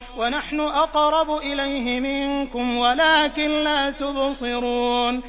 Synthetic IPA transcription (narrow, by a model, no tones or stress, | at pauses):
wanaħnʊʔɑqɾˤɑbʊʔɪlajɦɪmɪŋkʊmwalaːkɪnlaːt̪ʊbsˤɨɾuːn